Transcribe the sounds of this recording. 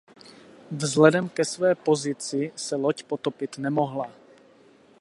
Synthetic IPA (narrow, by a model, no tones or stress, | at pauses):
vzlɛdɛmkɛsvɛːpo̞zɪt͡sɪsɛlocpot̪opɪt̪nɛmo̞ɦla